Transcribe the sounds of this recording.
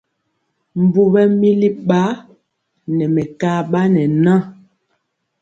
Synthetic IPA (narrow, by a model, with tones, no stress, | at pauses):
m˨bu˨bɛ˦mi˦li˦ɓa˦ | nɛ˨mɛ˨ka˦ɓa˦nɛ˨nã˦˨